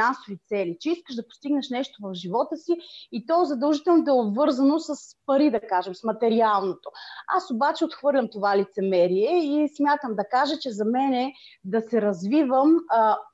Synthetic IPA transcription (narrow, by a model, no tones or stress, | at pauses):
ansovit̪sɛlit͡ʃɛiskəʃd̪ɐpo̥st̪iɡnəʃnɛʃt̪ovɐfʒivɔt̪əsiːt̪ɔzɐd̪ɐlˠʒit̪ɛlˠnot̪ɛobvɤɾzənosəspɐɾid̪ɐkaʒɛmsmɐt̪ɛɾialˠnot̪oa̰sobat͡ʃɛot̪xvɤɾlʲɐmt̪ovalit̪sɛmɛɾiɛismʲjat̪əmd̪ɐkaʒɛt͡ʃɛzɐmɛnɛd̪ɐsɛɾɐzvivəm